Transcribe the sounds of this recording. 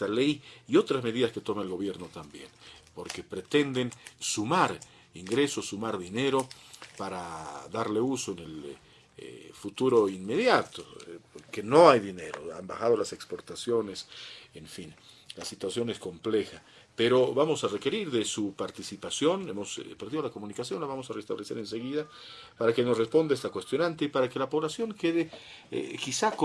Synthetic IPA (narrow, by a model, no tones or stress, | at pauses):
t̪alejio̞t̪ɾazme̞ðiðaske̞t̪o̞maelɣo̞βjeɾno̞t̪ambje̞npo̞ɾke̞pɾe̞t̪e̞nd̪e̞nsumaɾ | iŋɡɾe̞so̞sumaɾðine̞ɾo̞paɾaðaɾle̞usoene̞l̰ | fut̪uɾo̞inme̞ðjat̪opoɾke̞no̞ajðine̞ɾo̞̰a̰mba̰xað̞o̞lase̞kspo̞ɾt̪asjo̞ne̞seɱfin | lasit̪wasjo̞nesko̞mplexa | peɾo̞βamo̞sareke̞ɾiɾðesupaɾt̪isipasjo̞nḛmospeɾðiðolakomunikasjo̞nlaβamo̞sarest̪aβlese̞ɾense̞ɣiða | paɾakenosrespo̞nd̪aest̪akwest̪jo̞nant̪epaɾakelapo̞βlasjo̞ŋkeðḛ | kisak